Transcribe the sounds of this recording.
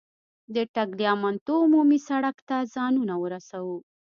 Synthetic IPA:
d̪əʈaɡlijɑmant̪omumisaɽakt̪azɑnunawəɾasawu

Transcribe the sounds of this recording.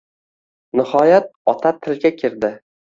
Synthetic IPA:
nɪhɒjat̪̚ɒt̪ʰat̪ʰɪlɡʲakʲʰɪɾd̪ɪ

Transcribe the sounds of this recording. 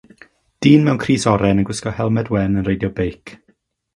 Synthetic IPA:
d̥iːnmɛwnkʰriːsɔɾɛnənɡwɪskɔhɛlˠmɛdwɛnənrejdjɔbejkʰ

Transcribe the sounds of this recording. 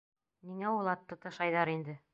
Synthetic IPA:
niŋæwulˠɑt̪ːɤ̆t̪ɤʃɑjðɑɾind̪ɘ

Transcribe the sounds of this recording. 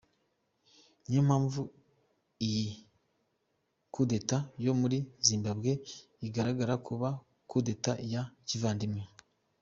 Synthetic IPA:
ɲam̥haːɱvu | iji | kude̞tajo̞muɾiziːmbabɡe̞ | iɡaɾaɡaɾakʰuβa | kude̞tajacivaːndimŋe

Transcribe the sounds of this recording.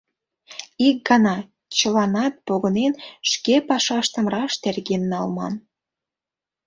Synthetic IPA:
ik̚ɡɑnɑ | t͡ɕəlɑnɑt̪̚poɣə̆nenʃkepɑʃɑʃt̪ə̆mrɑʃt̪erɣenːɑlmɑ̰n

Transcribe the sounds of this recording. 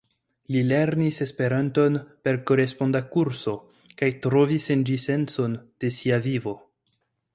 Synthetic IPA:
lile̞ɾnise̞spe̞ɾanto̞npe̞ɾko̞ɾe̞spo̞ndakuɾso̞ | kajtɾovisend͡ʒise̞nso̞nd̥e̞siavivo̞

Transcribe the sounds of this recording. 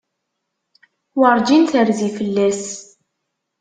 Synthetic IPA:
wɑɾˤd͡ʒinθəɾðifəlːæs

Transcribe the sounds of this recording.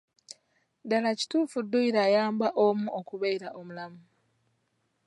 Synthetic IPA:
dalaci̥tuːfudːuiɾaːjaːmbaʔomuʔokuβeiɾaʔomulamu

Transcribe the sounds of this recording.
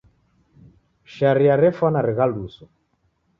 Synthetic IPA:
ʃaɾiaɾɛfanaɾɛɣalusɔ

